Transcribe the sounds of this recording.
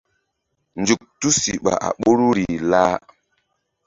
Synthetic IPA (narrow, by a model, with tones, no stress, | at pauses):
n˨d͡ʒu˨k̚tu˦sḭ˨ɓa̰˨ʔa̰˨ɓo˦ɾu˦ɾi˨laː˦